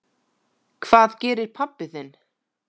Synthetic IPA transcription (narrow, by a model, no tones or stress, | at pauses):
kʰv̥aːðcɛːɾɪɾ̥pʰapːɪθɪn